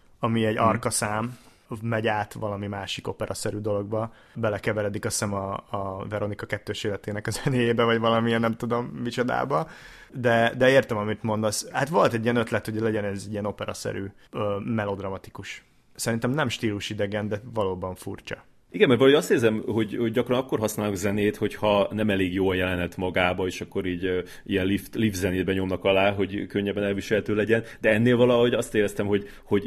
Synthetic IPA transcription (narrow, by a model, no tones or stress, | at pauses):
ɒmiɛɟɒrkɒsaːmː | ɛɟaːt̪ʋɒlɒmimaːʃiko̞pɛɾɒsɛɾyːd̪o̞lo̞ɡ̚bɒ | bɛlɛkɛvɛɾɛd̪ikɒsɛmɒːvɛɾo̞nikɒkɛt̪ːøːʃeːlɛt̪eːnɛkɒzɛneːjeːbɛvɒɟʋɒlɒmiɛnnɛmt̪ud̪o̞mːit͡ʃo̞d̪a̰ːbɒ | d̪ɛd̪ɛeːrt̪ɛmɒmit̪mo̞nd̪oshat̪ʋo̞lt̪ɛɟːijɛnøt̪lɛt̪hoɟlɛɟɛnɛzɛɟiɛno̞pɛɾɒ̰sɛ̰ɾyː | ømɛlo̞d̪rɒmɒt̪i̥kuʃ | sɛɾint̪ɛmnɛmʃt̪iːluʃid̪ɛɡɛnd̪ɛvɒloːbɒɱfṵrt͡ʃɒ̰ | iɡɛmːɛrt̪vɒlɒɦojɒst̪eːrzɛmɦo̞ɟho̞ɟːɒkrɒnɒkːo̞rɦɒsnaːlokzɛneːt̪ho̞chɒnɛmɛleːɡjoːljɛlɛnɛt̪mɒɡaːbɒeːʃɒkːoɾiːɟ | ijɛnlift̪lifzɛneːd̪bɛɲo̞mnɒkɒlaːɦo̞ɟkøɲːɛbːɛnɛlviʃɛlɛt̪øːlɛɟɛnd̪ɛɛnːeːlvɒlɒho̞ɟɒst̪eːɾɛst̪ɛmho̞ɟ | ho̞ɟ